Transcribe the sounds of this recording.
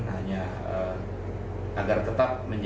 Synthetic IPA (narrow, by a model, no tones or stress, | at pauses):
ɦaɲa | ə | ʔaɡart̪ət̪ap̚məɲd͡ʒ